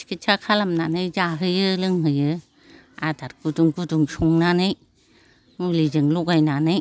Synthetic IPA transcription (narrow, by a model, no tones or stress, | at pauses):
kʰit͡ʃʰakʰalamnanɯjzaɦɯjɯlɯŋɦɯjɯ | adaɾɡuduŋɡuduŋsuŋnanɯj | mulid͡ʒɯŋlukajnanɯj